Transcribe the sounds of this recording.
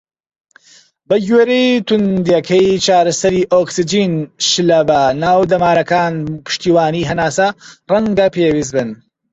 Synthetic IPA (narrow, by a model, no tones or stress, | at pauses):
bɐɡeːɾejt̪ʊnd̪jɐkʰɐjt͡ʃaːɾɐsɐɾiːʔoːksid͡ʒiːnʃɨlɐbɐnaːwd̪ɐmaːɾɐkaːnpʰɨ̥ʃt̪iːwaːniːɦɐnaːsɐrɐŋɡɐpewis̬bɨn